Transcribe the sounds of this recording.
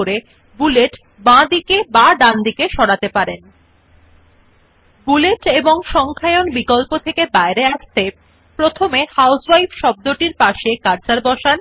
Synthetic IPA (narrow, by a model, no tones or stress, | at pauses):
oɾe | buleʈ | bãd̪ikebaɖ̪and̪ikeʃɔɽat̪epaɾen | buleʈeboŋʃɔŋkʰaeonbikɔlpot̪ʰekebaeɾeaʃt̪e | pɾot̪ʰomehawswajbʃɔb̚d̪oʈiɾpaʃekaɾt͡ɕaɾbɔʃan